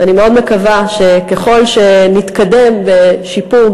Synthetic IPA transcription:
ʔanimeo̞d̪mekavaʃe̞keχo̞lʃenit̪kade̞mbe̞ʃipuʁ

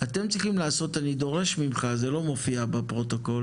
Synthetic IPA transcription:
at̪e̞mt͡sʁiχimlaːso̞tanid̪o̞ʁe̞ʃmimχazelo̞mo̞fiabepʁo̞t̪oko̞l

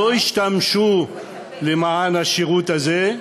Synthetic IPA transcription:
oiʃt̪amʃu | lemaʕanhaʃeʁut̪aze

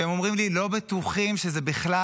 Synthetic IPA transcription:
emo̞mʁimlilo̞bet̪uχimʃezebiχla

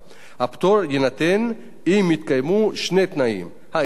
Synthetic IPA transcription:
hapt̪oɾjenat̪en | imit̪kajmuʃnet̪naḭm | ha

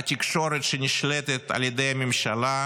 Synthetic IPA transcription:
t̪ʲikʃo̞ɾet̪ʃenʲiʃlet̪et̪a̰ljed̪ejamʲɪmʃala

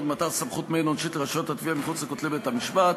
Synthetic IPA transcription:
d̪mat̪alsamχut̪menonʃit̪laʃot̪at̪viamiχut͡sekot̪libet̪amiʃbat

